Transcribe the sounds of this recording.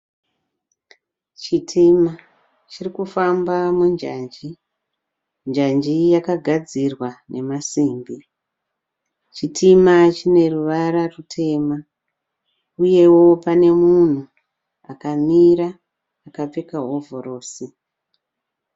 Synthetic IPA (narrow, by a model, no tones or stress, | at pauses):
t͡ʃitʰima | t͡ʃirikufambamund͡ʒaːnd͡ʒi | nd͡ʒand͡ʒijakaɡʱad͡zirwanʔe̞masiːmbi | t͡ʃitʰimat͡ʃine̞ruʋaɾarutʰe̞ːma | uje̞wo̞pane̞mun̤u | akamiɾaː | kap͡fekaɦo̞vʱoro̞ːsi